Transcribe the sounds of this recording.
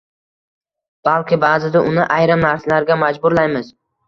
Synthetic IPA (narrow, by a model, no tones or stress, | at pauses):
b̥alˠkʲɪbaːzɪd̪aʔʊnɪʔajɾɪmnaɾsalaɾɡʲamad͡ʒbʊɾlajmɪz